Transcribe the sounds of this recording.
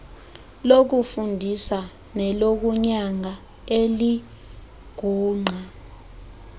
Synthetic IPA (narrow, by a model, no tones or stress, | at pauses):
lok̬ufundʱisa | nɛlok̬uɲaŋa | eli | ɡ̥ʱuːŋ͡ǃʱa